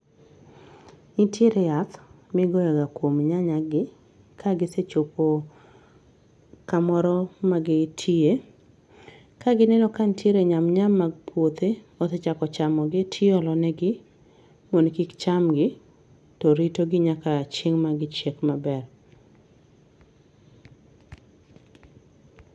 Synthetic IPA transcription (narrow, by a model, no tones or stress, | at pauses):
nɪtjeɾejat̪ | mɪɡɔjɛɡakwomɲaɲaɡɪ | kʰaɡɪset͡ʃopo | kamɔɾɔmaɡɪtʰie | kaɡɪnɛnɔkantʰjeɾeɲamɲamːaɡpʰwot̪e | ɔt̪et͡ʃakɔt͡ʃamɔɡɪtʰjɪɔlɔnɛɡɪ | monkikt͡ʃamɡɪ | tɔɾitoɡɪɲakat͡ʃeŋmaɡɪt͡ʃekmabɛr